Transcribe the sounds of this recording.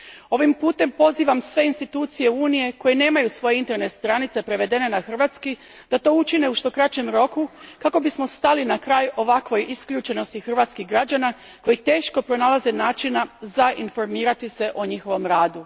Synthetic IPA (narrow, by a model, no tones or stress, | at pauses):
o̞ʋimpuːt̪e̞mpo̞ziːʋamsʋe̞inst̪it̪uːt̪sije̞uːnije̞ko̞jene̞ːmajusʋo̞jeint̪e̞ɾnet̪st̪ɾanit̪se̞pɾe̞ʋe̞d̪e̞ne̞naxr̩ʋaːt̪ski | d̪̥at̪o̞ːut͡ʃine̞uʃt̪o̞kɾat͡ɕe̞mɾo̞kukako̞bismo̞st̪alinakɾaːjo̞ʋakʋo̞jiskʎʲuːt͡ʃe̞no̞st̪ixr̩ʋat̪skiɣɡɾad͡ʑana | ko̞jit̪e̞ːʃko̞pɾo̞nalˠaze̞naːt͡ʃinazaʔinfo̞ɾmiːɾat̪ise̞ʔo̞ɲixo̞ʋo̞mɾaːd̪u